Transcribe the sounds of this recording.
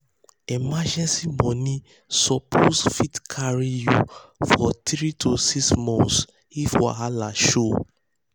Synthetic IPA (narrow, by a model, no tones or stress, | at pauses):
emad͡ʒɛ̃nsimɔ̃nĩ | sɔpʰosfitkʰaɹijufɔtɹitʰosiksmɔ̃ns | ifɔ̰alaʃo